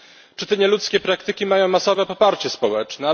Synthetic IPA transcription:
t͡ʂɘt̪ɛɲɛlut̪skʲɛpɾakt̪ɘkʲimajɔ̃w̃masɔvɛpɔpaɾt͡ɕɛspɔwɛt͡ʂnɛ

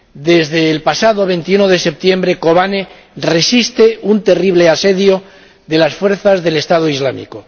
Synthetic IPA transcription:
d̪e̞zðe̞ːlpasaðo̞β̞e̞nt̪iunoðe̞se̞p̚t̪jembɾe̞ko̞βane | re̞sist̪eunt̪e̞riβ̞le̞ase̞ðjo̞ | ðe̞lasfwe̞ɾθazðe̞lest̪aðoizlamḭko

